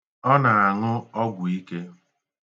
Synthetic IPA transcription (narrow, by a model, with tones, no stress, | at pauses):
ɔ˦na˨a˨ŋʊ˦ɔ˦ɡʷʊ˨i˦ke˦